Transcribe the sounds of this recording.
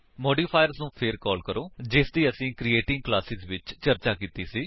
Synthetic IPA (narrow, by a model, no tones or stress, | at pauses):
mɔːɖiːpʰaːjəɾznũːpʰɪɾkɔːlkəɾoːd͡ʒɪsd̪iːəsĩːkɾieːʈɪ̃ŋɡ̚klaːsɪzʋɪt͡ʃt͡ʃəɾt͡ʃaːkiːt̪iːsiː